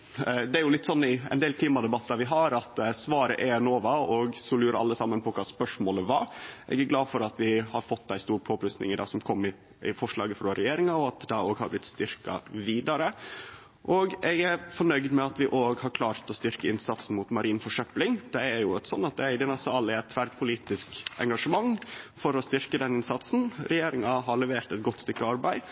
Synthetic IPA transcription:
d̪ɛæɾjʊlɪt̪ːsɔnːɪɛ̰ɪneːlt̪ʰiːmɑd̪ɛbɑt̪ːɑʋɪɦɑɾɑt̪sʋɑːɾə̰ʔɛnoːʋɑɔɡsɔlʉːɾəɑ̰lːəsɑmːənpʰɔkʰɑːspœʂmoːləʋɑ̰ɾʔɛ̰ɡæɾɡlɑːd̪fɔɾɑt̪ʋɪhɑɾfɔt̪ːd̪æɪst̪uːɾpʰoːplʉsnɪ̰ŋɪd̪ɑ̰ːɡsɔmkʰɔmːɪ | ɪfɔʂɭɑ̰ːɡəfɾoːɾɛjeːɾɪŋɑɔɑt̪d̪ɛoːɡhɑɾblɪt̪ːst̪ʏɾkɑ̰ʋiːd̪ɑɾə | ʔoːɡɛɡæɾfɔɳœʏɡd̪mɛɑt̪ʋɪʔoːɡhɑɾkʰlɑːɾt̪ɔst̪ʏɾkəɪnsɑt̪sn̩muːt̪mɑɾiːnfɔʂœplɪŋd̪̥ɛæɾjʊɛt̪sɔnːɑt̪̚d̪ɛæɾd̪ɪnɑsɑlɪɛt̪ʰːʋæɾɖpʰʊliːt̪ɪskɛ̰ŋɡɑʂəmɑŋfɔɾɔst̪ʏɾkəd̪ɛnɪnsɑt̪sn̩ɾɛjeːɾɪŋɑɦɑɾlɛʋeːɾt̪ɛt̪̚ɡɔt̪ːst̪ʏkːəɑɾbæɪ

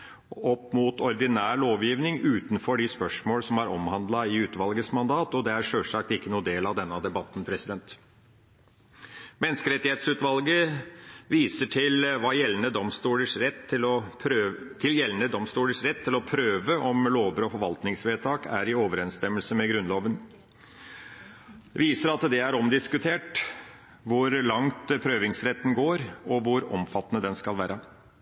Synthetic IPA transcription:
ɔpːmut̪ʰɔɾd̪ɪnæːɭoːʋjiːʋnɪŋʉːt̪n̩fɔɖɪspœʂmoːlsɔmæɾɔ̰mhɑnd̪lɑɪʉːt̪ʋɑlɡəsmɑnd̪ɑːt̪ɔd̪ɛæɾʂøːʂɑːk̚t̪ɪkːənuːd̪eːlɑʋd̪ɛnːɑd̪ɛbɑt̪ːn̩pʰɾɛsɪd̪ɛnt̪ | mɛnːskəɾɛt̪ːɪheːt̪sʉːt̪ʋɑlɡə | ʋiːsəʈʰɪlʋɑːjɛlːnəd̪ɔmst̪uːləʂɾɛt̪ɪlɔ | t̪ʰɪljɛlːnəd̪ɔmst̪uːləʂɾɛt̪ʰːɪlɔpʰɾøːʋəʔɔmloːʋəɾɔfɔɾʋɑlt̪nɪŋsʋeːt̪ʰɑːkʰæ̰ɾɪɔːʋəɾɛnst̪ɛmːəlsəmɛɡɾʉnloːʋən | ʋiːsəɾɑt̪d̪ɛæɾɔmd̪ɪskʉt̪ʰeːʈ | ʋʊɾlɑŋt̪pʰɾøːʋɪŋsɾɛt̪ːn̩ɡoːɾɔʋʊɾɔ̰mfɑt̪ːənəd̪ɛnskɑlʋæːɾʔə

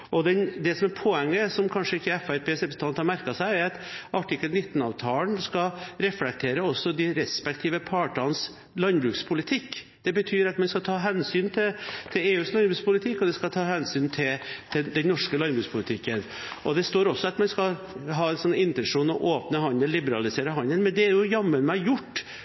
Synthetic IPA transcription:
ʔɔd̪ɛnd̪ɛsɔmæɾpʰoɛŋːəsɔmkʰɑnʂəɪkːəɛfæɾpʰeːsɾɛpɾɛsə̥ɑnhɑɾmæɾkɑsæɪæɾɑt̪ʔɑʈʰɪkːəlnɪt̪ːn̩ɑ̰ːʋt̪ʰɑːlənskɑɾɛflɛk̚t̪ʰeːɾəɔsːɔd̪ɪɾɛspɛkt̪ʰiːʋəpʰɑːʈɑns | lɑnbɾʉːkspʰʊlɪt̪ʰɪkː | d̪̥ɛbət̪ʰyːɾɑt̪mɛnskɑt̪ʰɑːɦɛnsyːnt̪ʰɪt̪ʰɪleːʉːslɑnbɾʉːkspʰʊlɪt̪ʰɪkːɔd̪ɛskɑt̪ʰɑːɦɛnsyːnt̪ʰɪlt̪ʰɪd̪ɛnnɔʂkəlɑnbɾʉːkspʰʊlɪt̪ʰɪkːən | ʔɔd̪ɛst̪oːɾɔsːɔɑt̪mɛnskɑ | ɦɑːɛnsɔnɪnt̪ɛnʂuːnɔʔoːpnəɦɑnəllɪbəɾɑlɪseːɾəɦɑnənmɛnd̪ɛæɾjʊjɑmːənmæjʊʈː

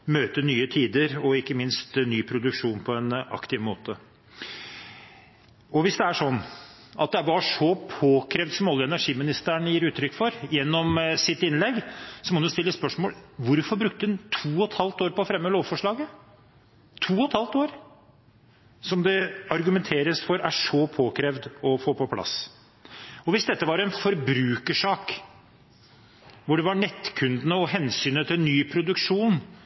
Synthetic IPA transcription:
møːt̪ənyːət̪ʰiːd̪əɾɔɪkːəmɪnst̪nyːpʰɾʊd̪ʉkʂuːnpʰɔɛnɑ̰kt̪ɪʋmoːt̪ə | ɔʋɪsd̪ɛæʂɔnː | ʔɑ̰t̪̚d̪ɛʋɑʂɔpʰoːkʰɾeːʋd̪sɔmɔlːəɛnæʂiːmɪnɪst̪æɳəjiːɾʉːt̪ʰɾʏkːfɔɾjɛnːɔmsɪt̪ɪnlɛɡːsɔmɔd̪ʉst̪ɪlːəspœʂmoːlʋʊɾfɔɾbɾʉkt̪əd̪ʉnt̪ʰuːɔt̪hɑlt̪oːɾpɔfɾɛmːəloːʋfɔʂɭɑːɡə | t̪ʰuːɔt̪hɑlt̪oːɾ | sɔmd̪ɛɑɾɡʉmɛnt̪ʰeːɾəsfɔɾæʂɔpʰoːkʰɾɛːʋd̪ɔfoːpɔpʰlɑ̰s | ɔʋɪsd̪ɛt̪ːəʋɑɾɛnfɔɾbɾʉːkəʂɑːk | ʋʊɖɛʋɑɳɛt̪ːkʰʉnd̪nəɔɦɛnsyːnət̪ʰɪlnːyːpʰɾʊd̪ʉkʂuːn

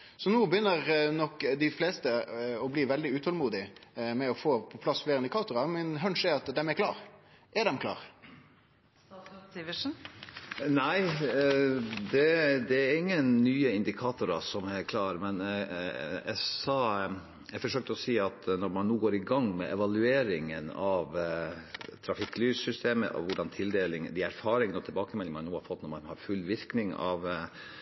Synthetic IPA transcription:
sɔnuːbəjʏnːəʁnɔkːd̪ɪfleːst̪əɔbliːʋɛld̪ɪʉːt̪ʰɑlmuːd̪ɪmɛɔfoːpʰɔpʰlɑsfleːɾɪnd̪ɪkɑːt̪ʊɾɑmɛnɦœnʂɛɑt̪d̪ɛmæɾklɑ̰ːɾ | ʔɛd̪ɛmkʰlɑ̰ːʁ | ɪʋɪʃn̩ | næɪ | d̪ɛd̪ɛɾɪŋːənnyːəɪnd̪ɪkʰɑːt̪ʊɾɑsɔmæɾkʰlɑːɾmɛn | ɛsɑː | ɛɾfɔʂøːk̚t̪əɔsiːɑt̪nɔɾmɑnnuːɡoːɾɪɡɑŋːmɛ̰ʔɛʋɑlʉeːɾɪŋənɑʋ | t̪ʰɾɑfɪkːlyːssʏst̪ʰeːmə̰ʔɔ̰ʋʊɖɑnt̪ʰɪld̪eːlɪŋəd̪ɪæɾfɑːɾɪŋənɔt̪ʰɛlbɑːkəmɛlːɪŋəmɑnuːhɑɾfɔt̪ːnɔɾmɑnhɑɾfʉlːʋɪɾknɪŋɑ̰ʋ

